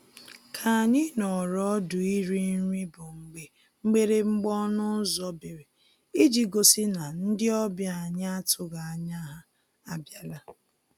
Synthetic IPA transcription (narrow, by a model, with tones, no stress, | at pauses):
kʰa˨a˨ɲɪ˦nɔ˨ɾɔ˦dʊ˨i˦ɾi˦n̩˦ɾi˦bʊ˨ŋ͡m̩˨ɡ͡be˨ | ŋ͡m̩˦ɡ͡be˦ɾe˨ŋ͡m̩˦ɡ͡bɔ˦nʊ˦zɔ˦be˨ɾe˨ | i˦d͡ʒi˦ɡo˨si˦na˨n̩˦dɪ˦ɔ˦bja˨a˨ɲɪ˦a˦tʰʊ˦ɡa˨a˨ɲa˦ɦa˦ | a˨bja˦la˦